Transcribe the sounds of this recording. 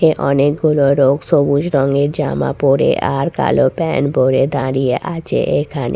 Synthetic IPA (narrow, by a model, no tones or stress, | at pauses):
eʔɔnek̚ɡuloɾoɡsobud͡ʑɾɔŋeɾd͡ʑama̰poɾḛʔaɾka̰lopɛnbʱoɾed̪aɾijeʔat͡ɕʰḛʔekʰane